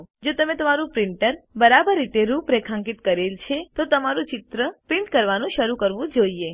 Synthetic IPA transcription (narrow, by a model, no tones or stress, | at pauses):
d͡ʒot̪əmet̪əmaɾũpɾɪɳʈəɾbəɾabəɾːit̪eɾũpɾekʰãŋkit̪kəɾelt͡ʃʰet̪ot̪əmaɾũt͡ʃɪt̪ɾəpɾɪ̃ɳʈkəɾʋanũʃəɾũkəɾʋũd͡ʒoie